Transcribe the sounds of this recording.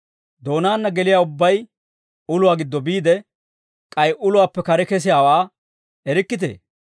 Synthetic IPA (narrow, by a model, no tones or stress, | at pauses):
d̪o̞ːnaːnːɐɡɛlɪjaːʊbːɐj | ʊlʊwaːɡɪd̪ːɔbiːd̪ɛ | kʼɐjʔʊlʊwaːpːɛkɐɾɛkɛs̬ɪjaːwaː | ɛɾɪkːɪt̪̬ḛː